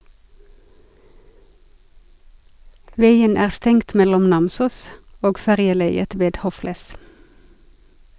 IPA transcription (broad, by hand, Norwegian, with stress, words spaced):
ˈʋæɪən ˈæː ˈstɛŋt ˈmɛlɔm ˈnɑmsuːs ˈoːɡ ˈfæʁjəˌlæɪət ˈʋeːd ˈhoːflæs